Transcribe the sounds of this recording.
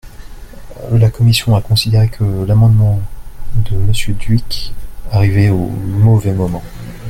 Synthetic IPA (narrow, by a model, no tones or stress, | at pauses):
lakɔmisjɔ̃akɔ̃sid̪eʁekʰəlamɑ̃d̪mɑ̃d̪əməsjød̪ɥikaʁivɛo̰mɔvɛmɔmɑ̃